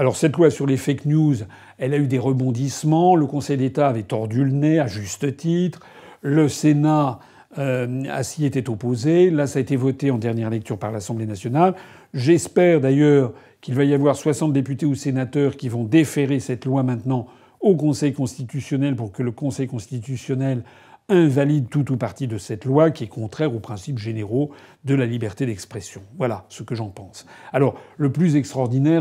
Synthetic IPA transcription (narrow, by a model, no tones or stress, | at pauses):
alɔʁsɛt̪lwasyʁlefaknjuz | ɛlayd̪eʁəbɔ̃d̪ismɑ̃ləkɔ̃sɛjd̪et̪aːvɛt̪ɔʁd̪ylnɛaʒyst̪ət̪it̪χ | ləsena | øa̰siet̪ɛt̪opozelasaːet̪evɔt̪eɑ̃d̪ɛʁnjɛʁlɛk̚t̪yʁpaʁlasɑ̃blenasjɔnal | ʒɛspɛʁd̪ajœːʁ | kilvajavwaʁswasɑ̃t̪̚d̪epyt̪eusenat̪œʁkʲivɔ̃d̪efeʁesɛt̪lwamɛ̃t̪nɑ̃ | okɔ̃sɛjkɔ̃st̪it̪ysjɔnɛlpuʁkələkɔ̃sɛjkɔ̃st̪it̪ysjɔnɛl | ɛ̃valid̪t̪ut̪upaʁt̪id̪əsɛt̪lwakʲiɛkʰɔ̃t̪χɛʁopχɛ̃sipʒeneʁo | d̪əlalibɛʁt̪ed̪ɛkspχɛsjɔ̃vwalasəkəʒɑ̃pɑ̃salɔʁləplyzɛkst̪χɔʁd̪inɛʁ